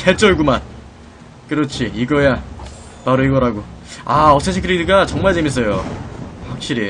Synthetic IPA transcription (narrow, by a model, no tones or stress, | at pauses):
kʰeɭt͡ɕ͈ʌɭɡuman | kɯɾʌt͡ɕʰiiɡʌja | paɾoiɡʌɾaɡoaʌsʰesʰikʰɯɾinikat͡ɕʌŋmaɭt͡ɕe̞mis͈ʌjoɸak̚ɕ͈iɾi